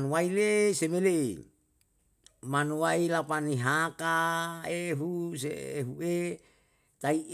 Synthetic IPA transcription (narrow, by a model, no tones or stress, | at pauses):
nuwailesemele | manuwailapaniɦakaeɦus̬ḛeɦue | t̪ai